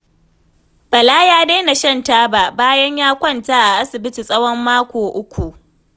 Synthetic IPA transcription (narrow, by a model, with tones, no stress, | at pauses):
bɐ˨laː˦jaː˦da˦jna˨ʃɐ˦ntaː˦ba˨baː˦jɐ˦ɲjaː˦kʷɐ˦˨ntaː˦ʔa˨ʔa˦sɪ˨bɪ˦ti˨sʼɐ˦wɔ˦mːaː˦kʷoː˨ʔʊ˦kʷu˨ʔ